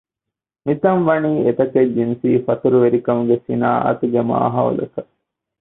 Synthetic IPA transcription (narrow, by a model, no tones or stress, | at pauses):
mit̪ɐnʋɐniːet̪ɐked͡ʒinsiːfɐt̪uɾuʋeɾikɐmuɡesina̰ːʔɐ̰t̪uɡemṵa̰ɦɐṵlɐ̰t̪ɐ